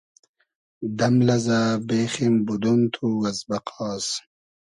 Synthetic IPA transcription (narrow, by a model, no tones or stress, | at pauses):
d̪ɐmlɐzaːbeːχimbud̪unt̪ʰuwɐzbɐqʰɑːs